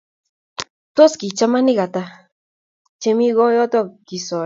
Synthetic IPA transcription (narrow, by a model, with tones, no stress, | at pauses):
t̪o˦ski˨t͡ʃa˦ma˦ni˦ɣa˨t̪a˧ | t͡ʃe˦˧mi˦ɣo˦jɔ˦t̪ɔ˦˨ki˨sɔ˨